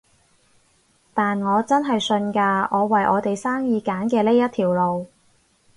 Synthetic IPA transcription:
t̪aː˨nŋɔː˨˧t͡sɐ˥nɦɐ˨jsɵ˧nkaː˧ʔɔː˨˧wɐ˨˩jʔɔː˨˧t̪e˨jsaː˥ŋjiː˨˧kaː˨˥nkɛː˧le˥jɐ˥t̪ʰiː˨˩wlo˨w

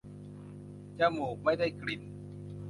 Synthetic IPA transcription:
t͡ɕa˧˩moː˨˩k̚ma˥˩jda˥˩jkli˨˩n

